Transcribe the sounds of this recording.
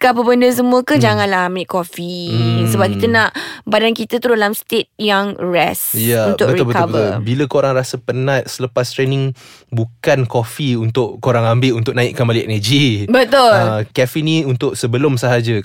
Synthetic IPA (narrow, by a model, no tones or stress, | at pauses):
kapəbəndəs̬əmũəkəd͡ʒaŋãnlahambɪʔkofisəbap̚kit̪ənaʔbadankit̪ət̪udalamst̪et̪̚jaŋɹɛsjaunbt̪ʊkətɾiʊlbətkaʊvbət̪ʊlbiləkoɾaŋɾasəpənat̪̚sələpast̪ɾɛnɪ̃ŋbukankofiunt̪ʊʔkoɾaŋambɪʔunt̪ʊk̚naɪʔkəmbaliɛ̰nəd͡ʒibət̪ʊləkɛfiniunt̪ʊʔsəbəlʊmsəɦad͡ʒə